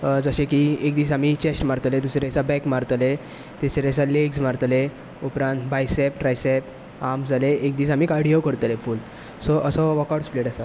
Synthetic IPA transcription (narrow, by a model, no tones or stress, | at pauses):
d͡zəɕẽkiekd̪iːs̬amit͡ɕesʈmaɾt̪led̪usɾesabɛkmaɾt̪le | t̪esɾes̬aleɡsmaɾt̪le | upɾãnt̪bajsepʈɾajsep | amd͡zaleʔekd̪iːsamiːkaɾɽijokəɾt̪lefuːl | sɔʔəsɔʋɔkaɽspleʈasa